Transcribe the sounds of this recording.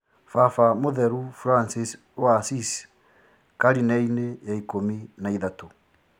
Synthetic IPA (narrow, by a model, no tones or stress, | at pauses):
fafamoðɛɾufɾansis | wasis | kaɾinainejaikominaiðato